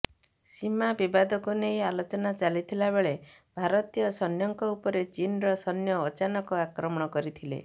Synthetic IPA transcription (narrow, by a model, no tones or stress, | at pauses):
simabibad̪ɔkunejalot͡ʃɔnat͡ʃalit̪ʰilabeɭebʱaɾɔt̪ijɔsɔnjɔŋkɔupɔɾet͡ʃinɾɔsɔnjɔːt͡ʃanɔkɔakɾɔmɔɽ̃ɔkɔɾit̪ʰilḛ